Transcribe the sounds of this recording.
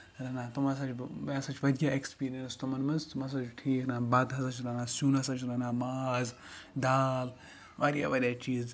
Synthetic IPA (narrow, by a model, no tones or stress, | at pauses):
ɾɐnat̪umas̬at͡ʃʋasat͡ʃʋɐd̪ʲjaekspiːɾiɐnst̪umɐnmɐnst̪umas̬at͡ʃʈʰiːknabaːd̪ɦɐsat͡ʃɾanasuːnɦɐsat͡ʃʰɾanamaːz | d̪aːl | ʋaɾja̰ʋɐɾʲjat͡ʃiːz